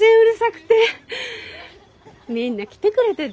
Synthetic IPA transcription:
eɯɾɯ̟sakɯ̟̥t̪e̞ | mʲĩnːakʲi̥t̪e̞kɯ̟ɾe̞t̪e

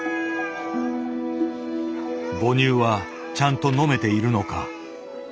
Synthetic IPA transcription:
bo̞ɲɨːβa | t͡ɕãnt̪o̞no̞me̞t̪e̞iɾɯ̟no̞ka

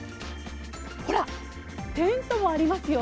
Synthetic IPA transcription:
ho̞ɾa | t̪ẽ̞nt̪o̞mo̞aɾʲimasɨjo̞

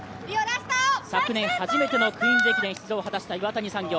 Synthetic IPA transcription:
oaɕt̪asakɯ̟nẽ̞ɰ̃haʑime̞t̪e̞no̞kɯ̟̃ĩnd͡ʑekʲid̪ẽçi̥t͡sɨzoːɦat̪aɕi̥t̪aiβat̪aɲ̟isãŋɡʲo̞ː

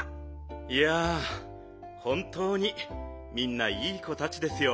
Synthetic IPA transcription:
ija | hõ̞nt̪o̞ːɲ̟i | mʲĩnːaiːko̞t̪at͡ɕid̪e̞sɨjo̞

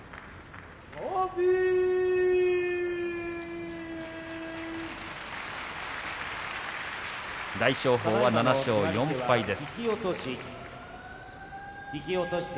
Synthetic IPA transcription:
obʲi | d̪aiɕo̞ːɦo̞ːβananaɕo̞ːjõ̞mpaid̪e̞sɨ̥kʲiot̪oɕi | ikʲiot̪oɕi̥t̪

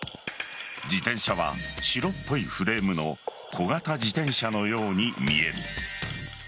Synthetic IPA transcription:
d͡ʑit̪ẽ̞ɰ̃ɕaβ̞a̰ɕiɾo̞pːo̞iɸɯ̟ɾe̞ːmɯ̟no̞ | kʰo̞ɡat̪ad͡ʑit̪ẽ̞ɰ̃ɕano̞jo̞ːɲ̟imʲie̞ɾɯ̟

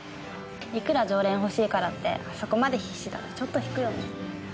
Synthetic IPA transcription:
ikɯ̟ɾad͡ʑo̞ːɾẽɰ̃ɦo̞ɕiːkaɾat̪ːe̞̰ʔaso̞ko̞mad̪e̞çiɕit̪a̰t̪ːet͡ɕo̞t̪ːo̞çi̥kɯ̟jo̞ːne

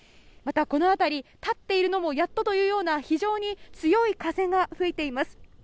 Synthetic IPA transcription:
mat̪ako̞no̞at̪aɾʲit̪at̪ːe̞iɾɯ̟no̞mo̞jat̪ːot̪o̞jɯ̟ːjo̞ːnaçiʑo̞ːɲ̟it͡sɨjo̞ikasẽ̞ŋɡaɸɯ̟et̪e̞imasɨ̥

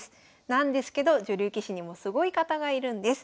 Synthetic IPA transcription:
sɨ̥ | nãnd̪e̞sɨ̥ke̞d̪o̞ʑoɾʲɨːkʲiɕiɲ̟imo̞sɨɡo̞ikat̪aɡaiɾɯ̟̃nd̪e̞sɨ̥

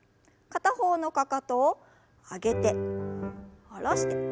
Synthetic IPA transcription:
kat̪aho̞ːno̞kakat̪oː | aɡe̞t̪e̞ | aɾaɕi̥t̪e

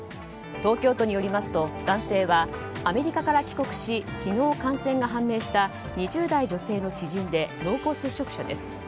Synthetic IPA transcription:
t̪o̞ːkʲo̞ːt̪o̞ɲ̟ijo̞ɾʲimasɨ̥t̪o̞d̪̥ãɰ̃se̞ːβaː | me̞ɾʲikakaɾakʲi̥ko̞kɯ̟̥ɕikʲino̞ːkãɰ̃sẽ̞ŋɡaɦãmːe̞ːɕi̥t̪a | ɲ̟iʑɨːd̪aid͡ʑo̞se̞ːno̞t͡ɕiʑĩnd̪e̞ɾo̞ːko̞ːse̞ɕːo̞kɯ̟̥ɕad̪e̞̰sɨ̥

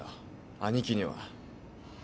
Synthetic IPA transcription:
o | aɲ̟ikʲiɲiβa̰

